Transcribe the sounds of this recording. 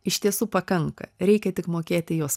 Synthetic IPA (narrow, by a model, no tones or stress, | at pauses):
ɪʃʲt̪ʲiɛsuːpɐkɐŋkɐ̰ɾʲɛɪkʲɛt̪ʲɪkmoːkʲeːt̪ʲɪjoːs